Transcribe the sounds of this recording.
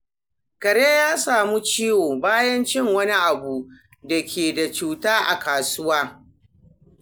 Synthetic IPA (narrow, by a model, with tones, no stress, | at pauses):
kɐ˨ɽe˦jaː˦saː˨mu˦t͡ʃiː˦woː˨baː˦jɐ˦nt͡ʃɪ˦˨ŋwɐ˦ni˦ʔa˨bu˨ | da˨kʲʰeː˨da˨t͡ʃuː˦taː˦ʔa̰˨kaː˨sʊ˦waː˦